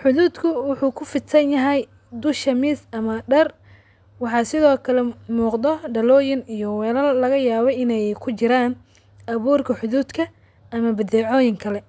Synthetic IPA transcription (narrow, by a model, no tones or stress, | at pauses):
ħʊðuːd̪kʰʊwʊħuːkʰʊfɪt̪sɐnjɐɦɛj | d̪ʊʃɐmisɐmɐɖɐr | wɑħɑsɪðɔːkʰɐlɛmuːqd̪ɔɖɐlɔːjɪnijɔwɛːlɐlːɐɣɐjaːβɔjɪnɛjkʰʊt͡ʃɪɾaːn | ʔɐβuːrkʰɐħʊðuːd̪kʰɐ | ʔɐmɐbɐd̪ɛːʕɔːjɪŋkʰɐlɛ